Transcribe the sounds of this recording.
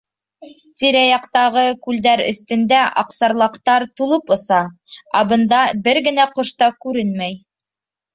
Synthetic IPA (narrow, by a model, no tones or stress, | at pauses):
t̪iɾæjɑqt̪ɑʁɤkʉld̪æɾɵ̰̆θt̪ɵ̆nd̪æʔɑqsɑɾlˠɑqt̪ɑɾt̪ulˠɤpŏsɑ | ɑbɤ̆nd̪ɑbɘɾɡɘ̆næqŏʃt̪ɑkʉɾɘnmæj